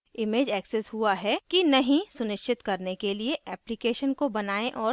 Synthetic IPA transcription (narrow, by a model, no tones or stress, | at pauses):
ɪmeːd͡ʒɛːksɛsɦuaɦɛkinɐɦĩsʊnɪʃt͡ʃʰɪt̪kɐɾnekelieʔʔɛːplɪkeːʃənkobɐnaːẽʔɔːɾ